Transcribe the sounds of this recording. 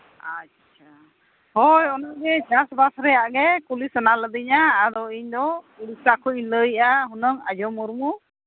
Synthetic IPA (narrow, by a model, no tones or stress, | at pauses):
a | t͡ʃʰa | hɔjɔnɔŋɡɛd͡ʒasbasɾɛjaʔɡɛkulisɔnaləd̪iɲaːd̪ɔiɲd̪ɔ | uɽisakʰɔɲləjʔaɦunɔŋad͡ʒɔmuɾmu